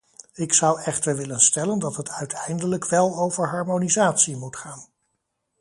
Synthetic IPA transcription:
ɪksʌwɛχtəɹʋɪlənstɛləndɑtɦətʰœɥtʰɛjndələkʋɛlˠowvəɹɦɑɹmonizaːtsimutχaːn

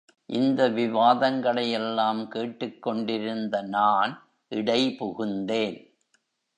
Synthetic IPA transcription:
ʔɪnd̪ɐʋɪʋaːðɐŋɡɐɭɐjɛlːaːmkeːʈːɯkːɔɳɖɪɾɯnd̪ɐnaːn | ʔɪɽɐɪpʊɣɯnd̪eːn

